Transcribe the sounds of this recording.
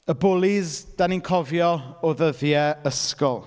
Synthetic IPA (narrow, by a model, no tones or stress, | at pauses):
əbʊlˠɪzd̥aninkʰɔvjɔoðəðjɛəskɔlˠ